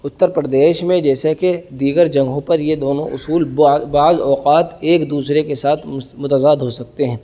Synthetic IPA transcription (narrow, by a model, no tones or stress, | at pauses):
ʊt̪ːəɾpɾəd̪eːʃmẽd͡ʒɛːseked̪iːɡəɾd͡ʒɐ̃ŋɡɦõpɐɾjed̪oːnõʔʊsuːlbaːzɔːqaːt̪eːkd̪uːsɾekesaːt̪ʰmʊt̪əzaːd̪ɦosɐk̚t̪eɦɛ̃ː